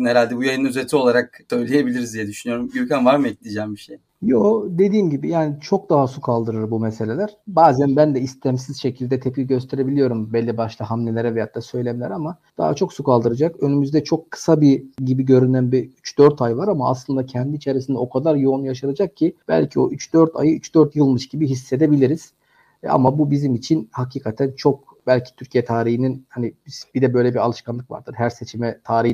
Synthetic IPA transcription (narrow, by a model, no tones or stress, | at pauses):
hɛɾalʲd̪ɛbujajɯnyzet̪ʰio̞lˠaɾak̚sø̞jlʲejebilʲiɾizd̪ijɛd̪yʃynyjo̞ɾumɟyɾcʰænvaɾmɛc̚lʲid͡ʒæmbiʃej | jod̪e̞d̪iːmɟibijaːnit͡ʃʰo̞k̚d̪aɦasukʰalˠd̪ɯɾɯɾbumese̞lʲe̞lʲæɾ̥baːzænbænd̪ɛist̪ʰæmsiz̥ʃe̞cʰilʲd̪ɛt̪ʰepiɟø̞st̪ʰe̞ɾe̞bilʲijo̞ɾumbɛlʲːibaʃlˠaɦamnelʲeɾɛvɛjat̪ːasø̞jlʲemilʲæ̰ɾama | d̪̥a̰ɦa̰t͡ʃʰo̞ksukalˠd̪ɯɾad͡ʒakø̞nymyzd̪ɛt͡ʃʰo̞kʰːɯ̥sabiɟibiɟø̞ɾynænbiyt͡ʃd̪̥øɾt̪ʰajvaɾamaa̰slˠɯnd̪acʰɛnd̪iːt͡ʃʰe̞ɾisind̪ɛokʰad̪aɾjo̞unjaʃ̬aɾad͡ʒak̚cʰib̥æ̰lʲcʰio̞̰ʔyt͡ʃd̪̥ø̞ɾt̪ʰa̰jɯyt͡ʃd̪øɾt̪jɯlˠmɯʃɟibiɦisːe̞d̪e̞bilʲiɾiz̥ | a̰mabubizimit͡ʃʰinhacʰiːkʰat̪ʰænt͡ʃʰo̞k̚ | bælʲcʰi̥t̪ʰyɾcʰijɛt̪ʰaːɾihininhanibib̥id̪ɛbø̞jlʲɛbialˠɯʃkanˠɯkva̰ɾd̪̥ɯɾɦæɾse̞t͡ʃʰimɛt̪ʰaːɾi